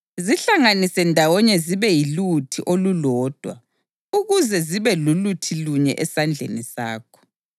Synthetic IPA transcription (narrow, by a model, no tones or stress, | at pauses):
ziɬaŋanisɛndʱawɔɲɛziβɛjilutʰiʔolulɔːd̥ʱwa̰ | uɣuzɛziβɛlulutʰiluɲɛ̰ʔɛsand͡ɮʱḛnisa̰ːkʰɔ̥